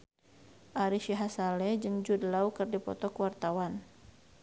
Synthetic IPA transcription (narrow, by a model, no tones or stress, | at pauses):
ʔaɾiʃiɦasalɛd͡ʒɨŋd͡ʒudəlaukərdipɔ̰t̪ɔkəwart̪awan